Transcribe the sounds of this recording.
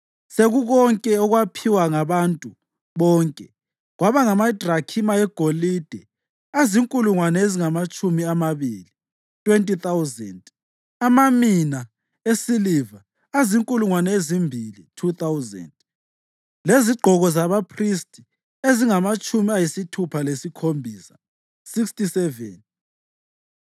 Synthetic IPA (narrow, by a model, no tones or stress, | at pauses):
seɣuɣɔŋkʼɛɔɣwapʰiwaŋaβantʼu | βɔːŋkʼɛ | ɣwaβaŋamad̥rakʰimaɛɡ̥ʱolid̥ʱɛ | aziŋkʼuluŋwanɛeziŋamat͡ʃʼumiamaβili | tʼwentʼiθawzɛ̰nd | amamina | esiliva | aziŋkʼuluŋwanɛezimbʱilitʰuθawzɛ̰nd | leziɡ͡ǃʱɔɣɔzaβapʰristʼi̥ | eziŋamat͡ʃʼumiajisitʰupʰalesikʰombʱiːsḁ | sikstʼisɛvɛ̰n